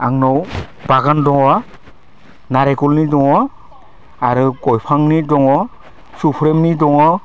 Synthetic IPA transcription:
aŋnɔw | b̥aɡandɔŋɔ | naɾɛkulnitɔŋɔ | aɾukɔjpʰaŋnidɔŋɔ | supʰɾemnidɔŋɔ

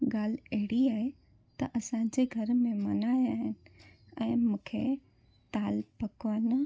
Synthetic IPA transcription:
ɡaːl̤ɐɦɪɽiaːɦe | t̪ɐʔɐsãd͡ʑeɡʱɐɾmẽmɐnaːjaːɦɪnɪ̆ | ɛ̃ːmũːkʰe | t̪aːlpɐkʋaːnə

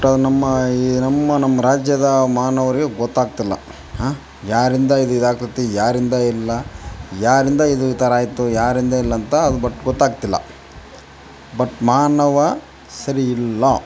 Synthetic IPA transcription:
ɐʈɐd̪unɐmːɐinɐmːɐnɐmːɐɾaːd͡ʒjɐd̪ɐmaːnɐʋɐɾiɡeɡɔt̪ːaːɡ̚t̪ilːɐ̰ | ɦaː | jaːɾind̪ɐid̪uid̪aːk̚t̪ɐt̪ːijaːɾind̪ɐilːɐjaːɾind̪ɐid̪uʋit̪ɐɾaːjt̪ːujaːɾind̪ɐilːɐnt̪ɐːd̪ubɐʈːɡɔt̪ːaːɡ̚t̪ilːɐ̰ | bɐʈmaːnɐʋɐ | sɐɾiːlːɐ

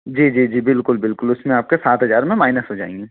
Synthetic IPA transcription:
d͡ʒiːd͡ʒiːd͡ʒiːbɪlkʊlbɪlkʊlʊsmẽaːp̚kesaːt̪ɦɐzaːɾmẽmaːɪnəsɦod͡ʒa̰ːɪ̃ŋɡiː

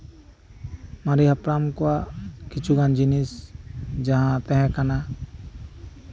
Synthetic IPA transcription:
maɾiɦapɾamkɔwakit͡ʃʰuɡãnd͡ʒinisd͡ʒaɦãt̪ɛ̃ɦɛ̃kana

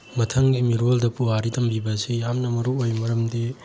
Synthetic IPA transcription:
mɐtʰɐŋɡimiɾoldɐpuaɾitɐmbibɐsijamnɐmɐɾuojmɐɾɐmdi

